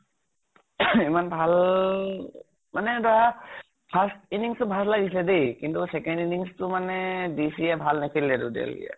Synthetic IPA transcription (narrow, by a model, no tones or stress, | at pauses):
imanbʱal | manɛdɔa | pʰastiniŋstʊbʱaslaɡislɛdejkintusɛkɛndiniŋstʊmanɛdisiɛbʱalnekʰilɛdṵdḛlɡḭja̰